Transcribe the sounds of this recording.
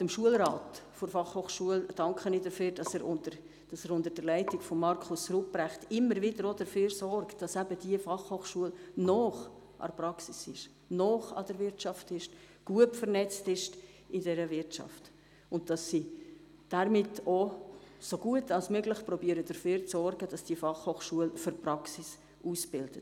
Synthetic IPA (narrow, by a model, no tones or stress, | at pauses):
əmʃuəlɾɑːtfʊɾfɑχhoːχʃuəld̥ɑŋkχəniːdəfyːɾdɑsɛɾʔʊndəɾ | d̥ɑsɛɾʊndəɾd̥əɾlæɪtɪɡfɔmːɑɾkʰχʊsrup̚b̥ɾɛχtɪmːəɾvɪdəɾod̥əføːɾsɔrkd̥ɑsæb̥əd̥iəfɑχhoːχʃuəlnɔːχ | ʔɑ̰ɾprɑksɪsɪʃ | nɔːχɑ̰d̥əɾvɪɾtt͡ʃɑftɪʃ | ɡ̥uətfəɾnɛt͡stɪʃt | ɪdɛɾəvɪɾtt͡ʃɑ̰ft | ʊnt̚d̥ɑsːi | d̥aɾmɪtosoɡ̥uətɑlsmøɡlɪχprɔbiəɾəd̥əføːɾt͡sɔrɡəd̥ɑsd̥iəfɑχhoːχʃuəlfʏrpɾɑksɪs | usb̥ɪld̥ət